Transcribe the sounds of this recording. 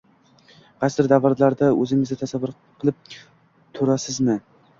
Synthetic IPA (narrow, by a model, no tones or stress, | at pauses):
qɑsɪɾd̪avaɾlaɾd̪aɵzɪŋɪzɡ̪ʲɪt̪ʰasavʊɾ | qʰɨlˠɪp̚ | t̪ʰoɾasɪznɪ